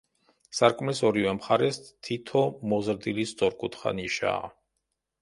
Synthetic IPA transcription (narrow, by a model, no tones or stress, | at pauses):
saɾkʼmlɛsɔɾivɛmχaɾɛst̪ʰit̪ʰɔmɔzɾd̪ilisd̪zʼɔɾkʼut̪ʰχa̰niʃa̰ː